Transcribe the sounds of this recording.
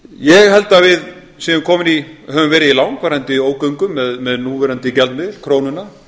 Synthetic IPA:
jɛɣhɛl̪t̪avɪð | siːðʏmkʰɔːmɪnihœvʏmvɛːɾɪðilawŋkvaɾant̪ɪioːwkœɥŋkʏmːɛðmɛðnuːvɛːɾant̪ɪcɛlt̪mɪðɪl̥kʰɾoːwnʏna

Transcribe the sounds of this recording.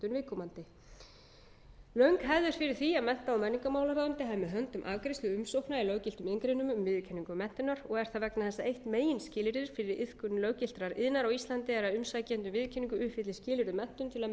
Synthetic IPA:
t̪ʏnvɪðkʰɔmant̪ɪ | lœɥŋkɦɛvðʏɾ̥fɪɾɪɾ̥θiamɛn̥t̪aɔmɛnːiŋkamawlaɾaðant̪ɪɦaːvɪmɛðɦœnt̪ʏmʔa̰ːvkɾejst̪ʏʏmsowknailœːwcɪlt̪ʏmeŋkɾejnʏmʏmvɪðcʰɛnːiŋkʏmɛn̥t̪ɪnaɾɔɣɛɾ̥θaðvɛknaθɛsːaejht̪meːjɪnscɪːlɪɾðʏɾ̥fɪɾɪɾɪð̥kʏnlœɥcɪl̥t̪ɾaɾʔɪ̰ðnaɾawist̪lant̪ɪɛɾaðʏmsajcɛnt̪ʏmvɪðcʰɛnːiŋkʏʏhfɪt̪lɪscɪːlɪɾðʏmɛn̥t̪ʏmt̪ʰɪla

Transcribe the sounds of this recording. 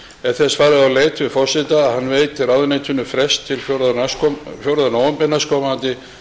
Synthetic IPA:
ɛðθɛsfaːɾɪðawleːjt̪ʰvɪðfɔr̥sɪt̪aːðhanːveːjt̪ʰːɪlawðʏnejt̪ʰʏnːʏfɾɛst̪ʰːɪlfjoɾðnaskfjowɾðanoːwʏmpɪnaskʰɔmant̪ɪ

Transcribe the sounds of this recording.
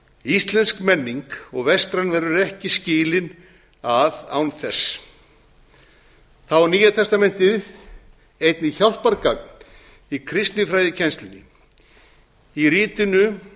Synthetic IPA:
ist̪lɛnskmɛnːiŋkɔɣvɛst̪ɾanvɛɾʏɾɛhcɪscɪːlɪn | aða̰wnθɛs | θawaɾniːjat̪ʰɛst̪amɛn̥t̪ɪð | ejt̪nɪçawl̥paɾkak̚n̥ | ikʰɾɪst̪nɪfɾaːjðɪcʰɛnst̪lʏnːɪ̰ | iɾiːt̪ɪnʏ

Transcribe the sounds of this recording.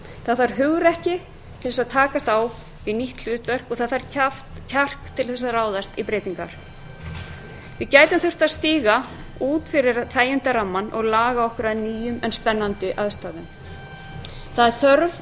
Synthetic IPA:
θaðaɾ̥ɦʏɣɾɛhcɪ | t̪ʰɪlɛsaðt̪ʰaːkast̪aw | viniht̪l̥ʏːt̪vɛr̥kɔθaðaɾaf | cʰar̥kt̪ʰːɪlθɛs̬aɾaːwðast̪ipɾeːjt̪iŋka̰ɾ̥ | vɪðcaːjt̪ʏmθʏ̥t̪aðst̪iːɣa | uːt̪fɪɾɪɾθaːjɪnt̪aɾamːanːʔɔ̰ɣlaːɣaɔhkʏɾaðniːjʏmɛnspɛnːant̪ʏʔaðst̪aːðʏm | θaðɛɾ̥θœɾv

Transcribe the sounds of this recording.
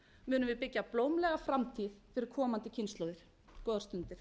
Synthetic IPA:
mʏːnʏmvɪðpɪcːaploːwmlɛɣafɾamt̪ʰiðfɪɾɪɾ̥kʰɔːmant̪ɪcʰɪnst̪lowðɪɾ̥ | kɔːðaɾst̪ʏnt̪ɪɾ̥

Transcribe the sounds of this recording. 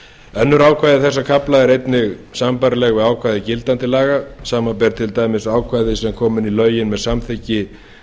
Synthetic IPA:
œnːʏɾaːwkʰvajðɪθɛsːakʰaplaɛɾejt̪nɪɣsampaɾlɛɣɔɣaːwkʰvajðɪcɪlt̪ant̪ɪlaːɣasaːmapɛɾt̪ʰɪlt̪aːjmɪsaːwkʰvajðɪsɛmkʰɔːmɪnilœːɥjɪnmɛðsamθɪcɪ

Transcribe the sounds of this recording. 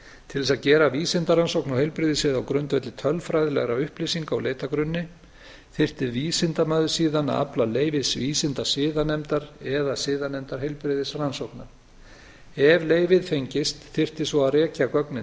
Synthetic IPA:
t̪ʰɪlvɛsaðcɛːɾaviːsɪnt̪aransowknahejlpɾɪðɪsɪðawkɾʏnt̪vɛt̪lɪt̪ʰœlfɾajðɪlɛ̰ɣɾaʏhplɪsiŋka̰wleːjt̪akɾʏnːɪ | θɪr̥t̪ɪviːsɪnt̪amaːðʏsiːðana̰a̰plaleːjvɪsviːsɪnt̪asɪːðanɛmt̪aɾɛðasɪːðanɛmt̪aɾ̥ɦejlpɾɪðɪsransowknaɾ̥ | ɛvleːjvɪðfejɲcɪst̪θɪr̥t̪ɪsvɔarɛːcakœknɪ

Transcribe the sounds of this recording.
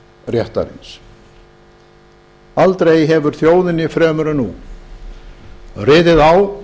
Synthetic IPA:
rjɛht̪a̰ɾɪ̰ns | alt̪ɾejɦɛvʏɾ̥θjoːwðɪnɪfɾɛːmʏɾʏnu | rɪːðɪðaw

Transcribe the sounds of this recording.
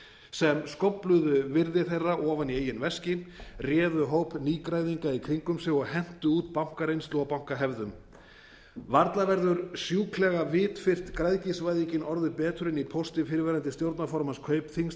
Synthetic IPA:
sɛmskɔwplʏðʏvɪɾðɪθejrːaʔɔːvanieːjːʏnvɛscɪrjɛːðʏɦowpniːkɾajðiŋkaikʰɾiŋkʏmsɪɣɔɣhɛn̥t̪ʏuːt̪pawŋ̥kaɾejnst̪lɔːɣapaw̥ŋ̥kaɦɛvðʏm | vaɾt̪lavɛɾðʏɾsjuːkʰlɛɣavɪːt̪fɪr̥t̪kɾajðcisvajðicɪnʔɔɾðʏpɛːt̪ʏɾɪnipʰowst̪ɪfɪɾɪvɛːɾant̪ɪst̪jowɾt̪nafɔɾmanskʰœɥpθiŋs

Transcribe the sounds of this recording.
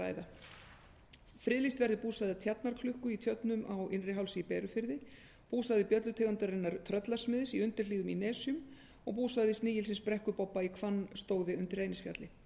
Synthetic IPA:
a̰ːjða | fɾɪðlist̪vɛɾðɪpuːsaðɪt̪ʰjat̪naɾ̥kʰlʏhkʏit̪ʰjœt̪nʏmʔawɪnrɪɦawlsiːpɛːɾʏfɪɾðɪ | puːsaðɪpjœt̪lʏt̪ʰɛːɣant̪ʏɾɛnːaɾt̪ʰɾœt̪lasmɪðɪsiʏnt̪ɪɾliːðʏminɛːsʏm | ɔɣpuːsaðɪst̪nɪːjɪlsɪnspɾɛhkʏpɔpːaikʰvanːst̪oːwðɪʏnt̪ɪrːeːjnɪsfja̰t̪lɪ

